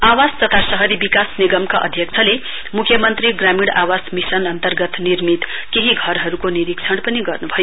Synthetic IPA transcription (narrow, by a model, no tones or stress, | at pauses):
awad͡zt̪ʌt̪ʰasʌɦʌɾibikasniɡʌmkaʔʌ̰d̪ʱjʌk̚t͡sʰʌle | mukʰjʌmʌnt̪riɡramiɽawasmisʌnʌnt̪ʌrɡʌt̪nirmit̪keɦiɡʱʌrɦʌɾukoniɾik̚t͡sʰʌɽpʌniɡʌrnubʱʌjo